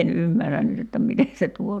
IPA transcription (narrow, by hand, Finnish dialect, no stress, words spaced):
en ymːæræn nyt etːæ mite se tuo